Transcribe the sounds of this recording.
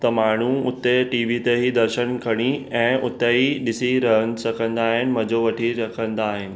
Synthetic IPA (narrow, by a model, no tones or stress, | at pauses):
t̪ɐmaːɳ̤uʊt̪eʈiːʋit̪eɦid̪ɐɾʃəñkʰɐɽ̃iɛ̃ːʔʊt̪eɦiɗɪsiɾɐɦənɪ̆sɐkʰə̃nd̪aːɦɪnɪ̆mɐ̃d͡ʑoʋɐʈʰiɾɐkʰə̃nd̪aːɦɪnɪ̆